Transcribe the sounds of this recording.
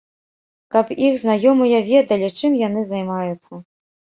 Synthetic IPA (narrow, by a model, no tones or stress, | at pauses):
kɐpixznajɔmɨjɐvʲɛd̪ɐlʲit͡ʂɨmjan̪ɨzajmajut̪sːɐ